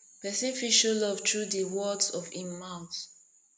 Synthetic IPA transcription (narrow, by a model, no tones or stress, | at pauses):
pɛsĩnfiʃolɔvtɹudəwɔdsɔvĩnmaʊθ